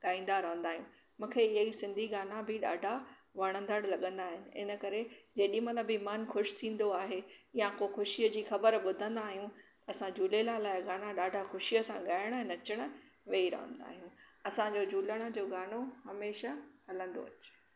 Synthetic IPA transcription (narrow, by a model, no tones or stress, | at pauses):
ɠaːĩːn̆d̪aɾɐɦə̃nd̪aːɦijũ | mũːkʰeɪɦaisɪ̃nd̪ʱiɡaːnabɪɗa̰ːɖʱaʋɐɽ̃ə̃nd̪əɽlɐɠə̃nd̪aːɦɪnɪ̆ɪ̰nə̆kɐɾed͡ʑeːɗĩmɐt̪ləbɪɪmanxʊʃt̪ʰĩːn̆d̪oaːɦejãkoxʊʃiəd͡ʑiːxɐbəɾɓʊd̪ʱə̃nd̪aːɦijũt̪ɐːsãd͡ʑuːlelalaːɪɡaːnaɗaːɖʱaxʊʃijəsãɠaːɪɽ̃ɦɪnɐt͡ɕəɽ̃̆ | ʋeːiɾɐ̰ɦə̰̃nd̪a̰ːɦijũɐsãd͡ʑoːd͡ʑuːləɽ̃ə̆d͡ʑoːɡaːnohɐmeːʃahɐlə̃nd̪o̰ɐt͡ɕː